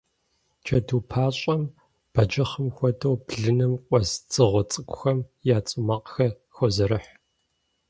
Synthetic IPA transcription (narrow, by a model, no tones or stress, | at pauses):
t͡ʃʰɐduːpʰaːɕʼɐm | b̥ɐd͡ʒɐχəmxʷɔdɐwbɮɨnɨmkʷʼɔzd͡zɨʁʷɔt͡sʼɨkʷʼʊxɐmjaːt͡sʼɨmɐqxɐ | xʷɔzɐɾɨħ